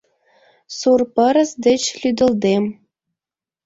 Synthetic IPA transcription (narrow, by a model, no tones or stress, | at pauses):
surpə̆ɾə̆sd̪ɘ̆t͡ɕlʲyd̪ə̆ld̪em